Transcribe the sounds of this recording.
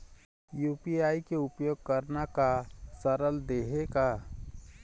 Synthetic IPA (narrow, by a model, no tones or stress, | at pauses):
juːpiaːikeʊpjoːɡ̚kəɾnakasəɾəld̪eːɦeka